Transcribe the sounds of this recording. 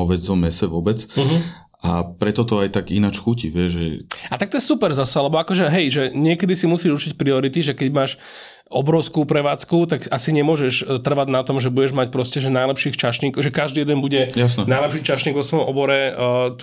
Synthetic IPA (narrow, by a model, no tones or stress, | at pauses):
ɔʋɛd͡zɔmɛsɛʋɔbɛt͡sɦ̩ | apɾɛt̪ɔt̪ɔajt̪aɡinat͡ʃxuciʋɪɛʒʒɛ̰at̪ak̚t̪ɔjɛsupɛɾzasɛalɛbɔakɔʒɛɦɛjʒɛɲɪɛkɛd̪isimusiːʒurt͡ʃicpɾiɔɾit̪iʒɛkɛɟmaːʃ | ʔɔbɾɔʊskupɾɛʋaːt͡skut̪akʔasiɲɛmʊɔʒɛʃt̪r̩ʋad̪nat̪ɔmʒɛbuɟɛʒmac̚pɾɔscɛʒɛnajlɛpʃiːxt͡ʃaʃɲiːkɔʒɛkaʒd̪iːjɛd̪ɛnbuɟɛjas̬nɛnajlɛpʃiːt͡ʃaʃɲiɡʋɔsʋɔjɔmʔɔbɔɾɛt̪